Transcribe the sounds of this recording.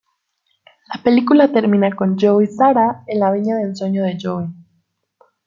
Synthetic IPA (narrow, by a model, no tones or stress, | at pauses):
lape̞likulat̪e̞ɾmĩnako̞nd͡ʒowjsaɾaenlaβ̞iɲaðensweɲoðe̞ʝowi